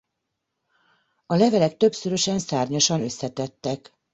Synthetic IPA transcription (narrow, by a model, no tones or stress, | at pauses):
ɒlɛvɛlɛk̚t̪ø̞bsyɾø̞ʃɛnsaːrɲoʃɒnø̞sːɛt̪ɛt̪ːɛk